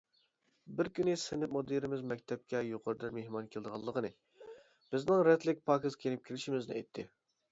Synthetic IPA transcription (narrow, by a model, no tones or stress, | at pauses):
bɪɾkʲynɪsɪnɪmod̪iɾɪmɪzmɛk̚ʲt̪ʰɛp̚kʲʰɛjoqʰʊɾɨd̪ɨnmehmɑnkʲʰeld̪əʁɑlˠːəqənɨ | b̥ɪznɪŋɾɛt̪ʰlɪk̚ʲpʰɑːkɪzkʲʰenɪp̚kʲʰelɪʃimɪznɪ̰ɛjt̪ʰːɪ